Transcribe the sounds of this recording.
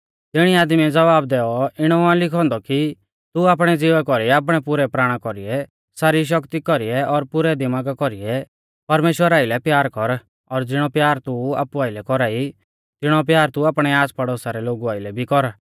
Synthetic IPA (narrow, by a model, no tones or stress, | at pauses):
t̪ɪɽ̃iaːd̪miɛd͡zɐʋaːb̚d̪ɛːɔɪɽ̃ɔãlɪkʰɔ̃ːnd̪ɔki | t̪uaːp̬ɽ̃ɛd͡zɪʋɛkɔɾiɛaːp̬ɽ̃ɛpʊɾɛpɾaːɽ̃ãkɔɾiɛ | saːɾiʃ̬ɔkt̪ikɔɾiɛɔɾpʊɾɛd̪imaːɡakɔɾiɛ | pɐɾmeːʃwəɾaːɪlɛpjaːɾkɔɾ | ɔɾd͡zɪɽ̃ɔpjaːɾt̪ua̰ːpuaːɪlɛkɔɾaːi | t̪ɪɽ̃ɔp̬jaːɾt̪uaːpɽ̃ɛaːspɐɽɔːsaɾɛloːɡuaːɪlɛbʱikɔɾ